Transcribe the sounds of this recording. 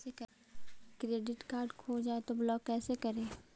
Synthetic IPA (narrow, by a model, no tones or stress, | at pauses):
ek | kɾeːɖɪʈkaːɾɖkʰoːd͡ʒaːet̪oblɔːkːɛːsekɐɾẽː